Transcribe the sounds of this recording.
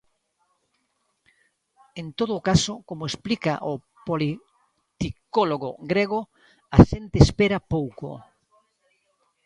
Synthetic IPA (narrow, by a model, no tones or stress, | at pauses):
ent̪oðʊːkasokomoesplika̰ʔo | poli | t̪ikoloɣʊɡɾeɣo | aʃent̪eespeɾɐpowko̰